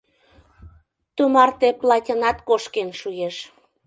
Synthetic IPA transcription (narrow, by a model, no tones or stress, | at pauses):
t̪umɑrt̪eplɑtʲɤnɑt̪koʃkenʃujeʃ